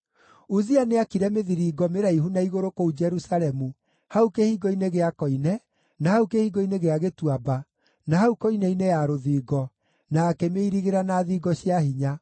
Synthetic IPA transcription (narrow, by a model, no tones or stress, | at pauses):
uzianeakiɾɛmeðiɾiːɡɔmeɾaihunaiɣoɾokoud͡ʒɛɾusaɾɛmu | haukehiːɡɔineɣeakɔinɛ | nahaukehiːɡɔineɣeaɣetuaba | nahaukɔinɛinejaɾoðiːɡɔ | naːkɛmeiɾiɣeɾanaðiːɡɔɕjahiɲa